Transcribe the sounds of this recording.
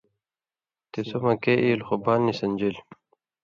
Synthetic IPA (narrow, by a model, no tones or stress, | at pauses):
t̪esomɐkeʔiːlxobaːnːisɐnʲd͡ʑil